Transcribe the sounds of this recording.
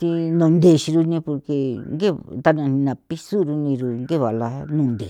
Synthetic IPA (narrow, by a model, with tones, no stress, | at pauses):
t̪i˧nõ˧˨nd̪e˧˨ʃi˧ɾu˧nĩ˧po˧ɾke˧ŋɡe˦˨t̪a˧nã˧nĩ˧nã˨pi˦su˦ɾu˧nĩ˧ɾu˧ŋɡe˦˨βa˨la˧nũ˦˧˨nd̪e˨